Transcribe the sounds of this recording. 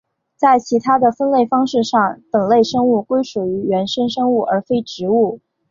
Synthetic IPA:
t͡sa˥˩ɪt͡ɕʰi˧˥t̪ʰa˥d̪ə˨fə˥nle˥˩ɪfɑ˥ŋʂɻ̩˥˧ʂɑ˥˩ŋpə˨˩nle˥˩ɪʂɤ˥ŋu˥˩kwe˥ɪʂu˨˩y˧˥ɥɛ˧˥nʂə˥ŋʂɤ˥ŋu˥˩ə˞˧˥fe˥ɪʈ͡ʂɻ̩˧˥u˥˩

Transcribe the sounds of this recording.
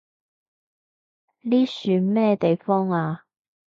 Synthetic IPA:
liː˥syː˨˧nmɛː˥t̪e˨jfɔː˥ŋaː˧

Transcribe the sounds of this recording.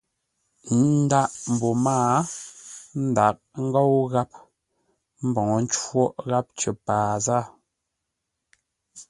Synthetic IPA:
n˦da˦ʔm̩˨bɔ˨maː˦ | n̩˦da˨k̚ŋ̩˦ɡo˦wɣa˦p̚ | m̩˦bɔ˨ŋɔ˨n̩˦t͡ʃwɔ˦ʔɣa˦p̚t͡ʃə˨paː˨za˦

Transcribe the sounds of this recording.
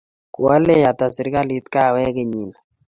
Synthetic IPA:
ku˨a˦le˦˨ja˨ta˨si˨ɾka˦li˦t̪ka˦˨wɛ˦ke˦˨ɲi˨na˨

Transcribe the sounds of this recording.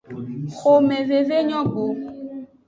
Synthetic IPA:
xo˨me˨ve˨ve˦ɲɔ̃˦ɡ͡bo˨

